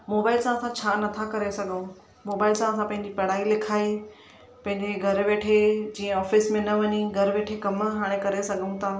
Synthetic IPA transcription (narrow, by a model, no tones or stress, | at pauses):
moːbaːɪlsãːsãt͡ɕʰaːnɐt̪ʰakɐɾesɐɡʱũ | moːbaːɪlsãːsãpɐ̃ɦɪ̃ɲ̆d͡ʑipɐɽ̤aːilɪkʰaːe | pɐ̃ɦɪ̃ɲd͡ʑeɡʱɐɾʋeːʈʰed͡ʑiːə̃ɔːfɪsmẽnɐʋɐɲiɡʱɐɾʋeːʈʰekɐmɦaːɽ̃ekɐɾesɐɠʱũt̪ʰaː